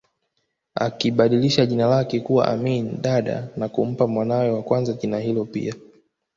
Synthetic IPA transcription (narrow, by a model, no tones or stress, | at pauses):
a̰kiɓaɗiliʃaʄinalakɛkuwa̰ʔa̰miniɗaɗa̰nakum̩pamwanawɛwakwanzaʄinahilɔpḭa